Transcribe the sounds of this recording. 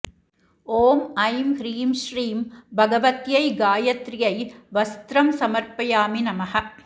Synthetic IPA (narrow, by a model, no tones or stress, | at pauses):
oːmɐjmhɾiːmʃɾiːmbʱɐɣɐʋɐt̪jɐɪɡaːjɐt̪ɾɪjɐɪʋɐst̪ɾɐmsɐmɐɾpɐjaːminɐmɐhɐ